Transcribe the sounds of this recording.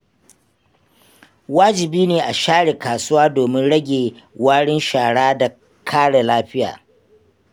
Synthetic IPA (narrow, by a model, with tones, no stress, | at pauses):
waː˦d͡ʒɪ˨biː˦neː˨ʔa˨ʃaː˦ɽeː˨kaː˨sʊ˦waː˦doː˨mɪ˦nɽɐ˦ɡʲeː˨ | waː˦ɽɪ˦nʃaː˨ɽaː˦da˨ | kʰaː˦ɽe˨laː˦ɸɪ˦ja̰ː˨